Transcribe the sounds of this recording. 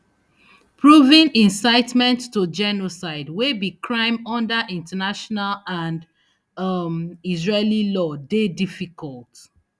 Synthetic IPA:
pʰɹuvĩnĩnsaɪtmɛ̃ntːud͡ʒɛnosaɪdwebikʰɹãɪ̃mɔ̃ndəʔĩntanaʃɔnalãnd | mizɹelilɔdedifikʰɔlt

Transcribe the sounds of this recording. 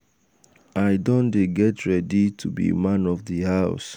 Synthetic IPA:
aɪdõndeɡɛtɹɛditʰubḭmãnɔvðihaʊs

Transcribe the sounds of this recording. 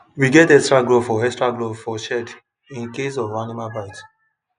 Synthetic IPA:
wiɡɛtɛkstɹaɡlofɔɛkstɹaɡlovfɔʃɛd | ĩnkesɔvɹãnimabat

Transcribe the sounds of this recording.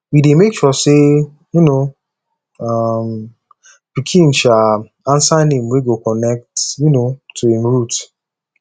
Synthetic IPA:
widemekʃɔse | juno | am | pikʰĩnʃal | ãnsanĩmweɡokɔnɛk̚tjunotʰːuĩmɹut

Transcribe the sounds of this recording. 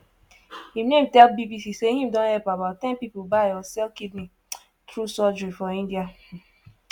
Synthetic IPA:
hinẽmtɛlbibisiseɦĩm̩dõnhɛpabaʊtɛ̃npipobaɪɔsɛlkidni | tɾusɔd͡ʒɹifɔĩndia

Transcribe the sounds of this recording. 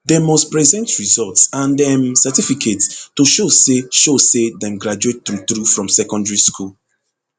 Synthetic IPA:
dɛmɔspɹɛzɛ̃ntɹizɔltsãndɛmsɛtifikʰettoʃoseʃosedɛ̃mɡɹad͡ʒuettɹutɹufɹɔ̃msɛkɔ̃ndɹiskʰul

